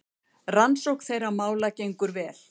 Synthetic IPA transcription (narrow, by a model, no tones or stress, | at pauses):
ransowkθejɾamaːwlacejŋkʏɾvɛːl̥